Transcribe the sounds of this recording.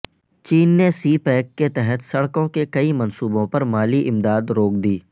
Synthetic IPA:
t͡ʃiːnːesiːpɛːkːet̪ɛɦɛt̪sɐɽkõkekɐimɐnsuːbõpɐɾmaːliʔɪmd̪aːd̪ɾoːk̚d̪iː

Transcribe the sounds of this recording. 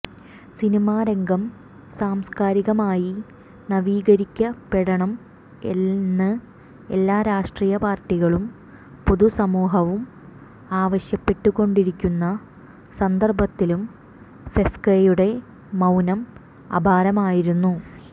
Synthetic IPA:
sinimaːɾeŋɡɐm | saːmskaːɾiɣɐmaːji | nɐʋiːɣɐɾikʲːɐpeɽɐɳɐm | ḛnːɨ | e̞lːaːɾaːʂʈriːjɐpaːrʈːiɣɐɭum | poðusɐmuːɦɐʋum | aːʋɐɕjɐpːe̞ʈːuko̞ɳɖiɾikʲːunːɐ | sɐnd̪ɐrbɐt̪ːilum | fefkejuɽe̞ | mɐwnɐm | ɐ̰bʱaːɾɐmaːjiɾunːu

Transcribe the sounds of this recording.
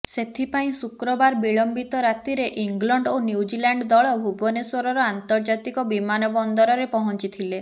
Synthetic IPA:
set̪ʰipaĩsukɾɔbaɾbiɭɔmbit̪ɔɾat̪iɾeʔiŋɡlɔɳɖonjiud͡ʒilaɳɖd̪ɔɭɔbʱubɔneswɔɾɔɾɔant̪ɔɾd͡ʒat̪ikɔbimanɔbɔnd̪ɔɾɔɾepɔɦɔnt͡ʃit̪ʰile

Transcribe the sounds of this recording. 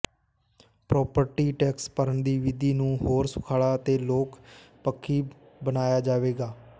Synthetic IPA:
pɾɔːpəɾʈiːʈɛːkspəɾənd̪iːʋɪd̪iːnũːɦoːɾsʊ̥kʰaːɽaːt̪eːloːkpəkʰːiː | bənaːjaːd͡ʒaːʋeːɡaː

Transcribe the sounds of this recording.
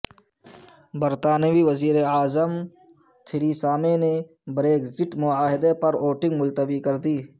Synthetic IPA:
bəɾt̪aːniʋiʋəziːɾeaːzəm | t̪ʰɪɾiːsaːmene | bɾeːkzɪʈmʊaːɦɪd̪epɐɾoːʈɪ̃ŋɡmʊlt̪əbikɐɾd̪iː

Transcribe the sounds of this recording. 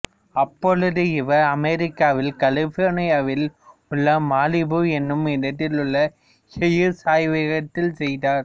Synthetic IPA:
ɐpːɔɻɯðɯɪʋɐɐmɛɾɪkːaːʋɪlkɐlɪfoːɾnɪjaːʋɪlʊɭːɐmaːlɪbɯɛnːɯmɪnɐʈːɪlʊɭːɐ | hɛjɯsaːjʋɪɣɐt̪ːɪlsɛjðaːɾ

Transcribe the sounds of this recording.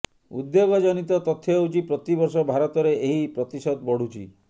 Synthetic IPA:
ṵd̪joɡɔd͡ʒɔnit̪ɔt̪ɔt̪ʰːɔowt͡ʃipɾɔt̪ibɔɾsɔbʱaɾɔt̪ɔɾeʔeɦipɾɔt̪isɔd̪bɔɽ̤ut͡ʃʰi

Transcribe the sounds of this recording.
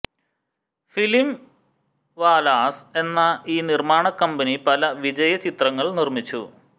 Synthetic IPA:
filim | ʋaːlaːse̞nːɐiːnirmaːɳɐkːɐmbɐnipɐlɐʋid͡ʑɐjɐt͡ɕit̪rɐŋːɐɭnirmit͡ɕːu

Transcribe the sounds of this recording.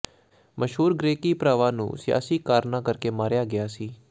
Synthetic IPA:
məʃɦuːɾɡɾeːkiːpɾaːʋãːnṵ̃ːsɪja̰ːsiːkaːɾnãːkəɾkeːmaːɾjaːɡɪjaːsiː

